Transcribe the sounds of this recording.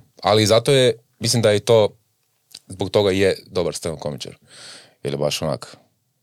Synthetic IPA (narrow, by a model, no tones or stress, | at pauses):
a̰liːzat̪oje | mislimd̪ajet̪oː | zbok̚t̪o̞ɡajed̪obaɾst̪enokomit͡ʃḛɾ | ḭljɛbaʃona̰k